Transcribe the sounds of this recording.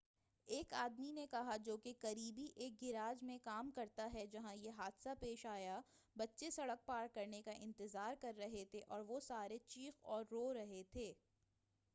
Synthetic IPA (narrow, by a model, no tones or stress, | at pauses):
eːkaːd̪minekɐɦad͡ʒoːkekɐɾiːbiʔeːk̚ɡɪɾaːd͡ʒmẽkaːmkɐɾt̪aɦɛd͡ʒɐɦãjeɦaːd̪sapeːʃaːja | bɐtːʃesɐɽək̚paːɾkɐɾnekaʔɪ̃nt̪ɪzaːɾkɐɾːɐɦet̪ʰeʔɔːɾʋosaːɾet͡ʃiːxɔːɾːoːɾɐɦet̪ʰeː